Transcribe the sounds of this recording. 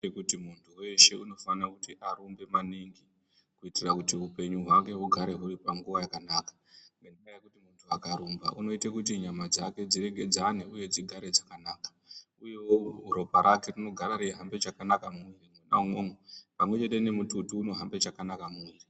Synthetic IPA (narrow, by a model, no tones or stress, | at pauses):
ekutimuntʰuwe̞ʃeuno̞fanakutiʔaɾombe̞maniŋɡi | kuitirakutiupe̞ɲuɦwaŋɡe̞uɡʱaɾe̞ɦuripaŋɡuʋajakanakḁ | ŋɡenaŋajakutimuntʰuakaɾumba̰ʔuno̞itekutiɲamad͡zake̞d͡ziɾe̞ɡʱe̞d͡zaneuje̞d͡ziɡʱaɾed͡zakanaːkḁ | ujewouɾo̞paɾʔake̞rino̞ɡʱaɾaɾeɦambe̞t͡ʃakanakamuirimona̰umomopamwe̞t͡ʃete̞ne̞mututuːno̞ɦambe̞t͡ʃakanakamuiri